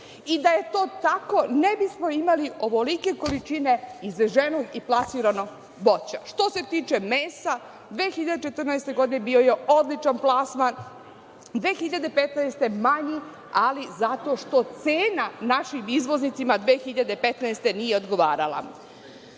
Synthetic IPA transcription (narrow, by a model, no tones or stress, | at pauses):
id̪aje̞t̪o̞ːt̪ako̞nebismoimaliʔo̞ʋo̞like̞ko̞lit͡ʃine̞izʒenoɡiplˠasiɾano̞ɡ | bot͡ɕaʃt̪o̞se̞t̪iːt͡ʃe̞meːsa | d̪ʋeːxiʎad̪et͡ʃe̞t̪ərnaest̪e̞ɡo̞d̪inebio̞jeod̪lit͡ʃanplˠasman | d̪ʋe̞ːxiʎad̪e̞pet̪naest̪e̞maɲi | alizat̪o̞ʃt̪o̞t̪seːnanaʃimizʋo̞znit̪simad̪ʋeːxiʎad̪epet̪naest̪e̞nijeod̪ɡo̞ʋaːɾala̰